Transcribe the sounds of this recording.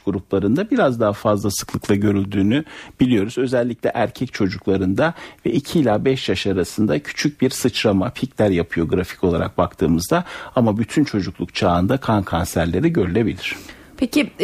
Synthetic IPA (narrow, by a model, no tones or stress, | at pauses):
ɡ̥uɾuplˠaɾɯnd̪abiɾazd̪aɦafazlˠasɯ̥klˠɯklˠaɟø̞ɾylʲd̪yːnyb̥ilʲijo̞ɾuzø̞zɛlʲːiclʲɛʔæɾcʰɛc̚t͡ʃʰo̞d͡ʒuklˠaɾɯnd̪avɛʔicʰiːlʲaːbɛʃjaʃaɾasɯnd̪acʰy̥t͡ʃʰyc̚biɾsɯt͡ʃɾamapʰiclʲæɾjapʰɯjo̞ɡɾafi̥cʰo̞lˠaɾa̰k̚bakt̪ʰɯːmɯzd̪aamabyt̪ʰynt͡ʃʰo̞d͡ʒuklˠukt͡ʃʰaːnd̪akʰankʰansæɾlʲe̞ɾiɟø̞ɾylʲe̞bilʲiɾ̝̥ | pʰeci